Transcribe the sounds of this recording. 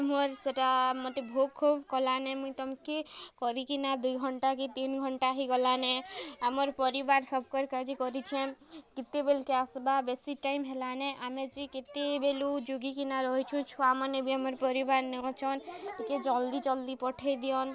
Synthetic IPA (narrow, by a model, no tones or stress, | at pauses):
mɔɾseʈamɔt̪ebʱoɡkʰːubkɔlanemũit̪ɔmkekɔɾikinad̪ujɡʱɔɳʈakit̪inɡʱɔɳʈaɦiɡɔlaneamɔɾpɔɾibaɾsɔb̚ʱkɔɾkad͡ʒikɔɾit͡ʃʰẽmkit̪ːebelkeasbabesiʈaimɦelaneʔamet͡ʃiket̪ebelud͡ʒuɡikinaɾɔɦit͡ʃʰũt͡ʃʰuamɔnebʱiamɔɾpɔɾibaɾnẽt͡ʃʰɔnt̪iked͡ʒɔld̪it͡ʃɔld̪ipɔʈʰed̪ijɔn